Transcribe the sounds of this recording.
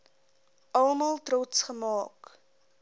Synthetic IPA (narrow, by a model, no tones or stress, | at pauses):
ʔɐlˠmɐlˠtrɔtsχəmɑːk